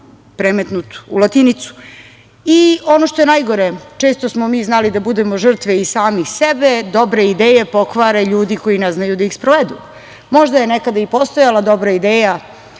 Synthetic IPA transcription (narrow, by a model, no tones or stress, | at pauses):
pɾemet̪nut̪ṵlˠat̪init̪su̥ | io̞noʃt̪o̞je̞najɡo̞ɾet͡ʃeːst̪osmomiːznalid̪abud̪emo̞ʒr̩t̪ʋeisaːmixsebed̪obɾeid̪eːjepo̞kʋaɾeʎuːd̪iko̞jinɛznajud̪aixspɾoʋed̪ṵ | mo̞ʒd̪ajenekad̪aipo̞st̪ojalˠad̪o̞bɾaid̪eːja